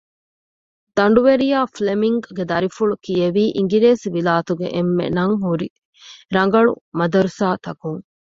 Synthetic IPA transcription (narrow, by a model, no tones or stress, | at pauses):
d̪̥ɐɳ̆ɖuʋeɾijaːflemiŋɡɡed̪ɐɾifuɭukijɐʋiːʔiŋ̆ɡiɾeːsʋilaːt̪uɡḛʔemːḛnɐŋɦuɾi | ɾɐŋ̆ɡɐɭṵmɐd̪ɐɾusaːt̪ɐkuŋ